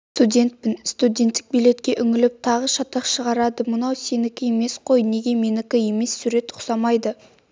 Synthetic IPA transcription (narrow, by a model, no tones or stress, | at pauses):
st̪udʲe̞nt̪̚pɪnst̪udʲe̞nt̪ːɪ̥k̚bijle̞t̪kʲe̞ʔʏŋɪlɪp̚t̪ʰɑʁəʃɑt̪ɑqʃəʁɑɾɑd̪əmənɑwse̞nɪkʲɪje̞me̞sqʰo̞jne̞ɡʲe̞me̞nɪkʲɪje̞me̞sːuɾe̞t̪ʊ̥qsɑmɑjd̪ə